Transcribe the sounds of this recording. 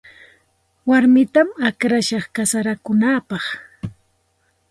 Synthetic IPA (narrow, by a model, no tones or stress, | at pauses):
waɾmɪt̪amakɾaʃɑχkasaɾakʊnaːpɑχ